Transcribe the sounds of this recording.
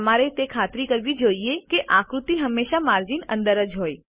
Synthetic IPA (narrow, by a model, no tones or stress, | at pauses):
əmaɾet̪ekʰat̪ɾikəɾʋid͡ʒoiekeʔãkɾut̪iɦəmːeʃamaɾd͡ʒinə̰̃nd̪əɾəd͡ʒɦoj